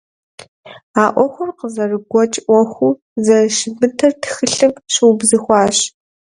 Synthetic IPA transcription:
aːʔʷɔxʷʊrqəzɐrɨɡʷɔt͡ʃʼʔʷɔxʷuː | zɐʃɪbɨtʰɐrtʰxɨɬɨmɕɨwbzɨxʷɑːɕ

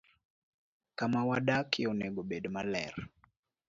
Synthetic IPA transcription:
kamawaɗakʰiɔnɛɡɔɓɛɗmalɛ̰r

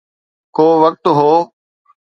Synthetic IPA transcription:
koːʋək̚t̪ɦoː

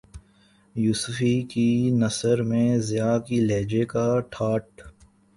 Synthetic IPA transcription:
juːsfikinɐsəɾmẽzɪjaːkileːd͡ʒekaʈʰaːʈ

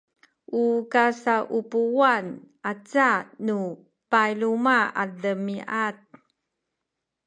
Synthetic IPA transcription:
ʔukasaʔupuwanʔat͡sanu | pajlumaaɮəmiʔat̚

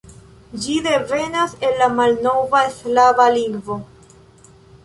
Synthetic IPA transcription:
d͡ʒide̞ve̞nase̞nːamalno̞vaeslavaliŋɡvo̞

